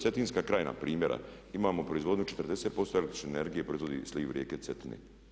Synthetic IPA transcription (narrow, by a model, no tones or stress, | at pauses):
set̪inskakɾaːjna̰pɾʔiːmjeɾʔa̰ | imaːmopɾo̞izʋo̞d̪ɲut͡ʃet̪rd̪e̞set̪̚po̞st̪oelekt̪ɾi̥ʃnene̞ɾɡijepɾoizʋod̪ḭsliːʋɾʔjeːket̪set̪inḛ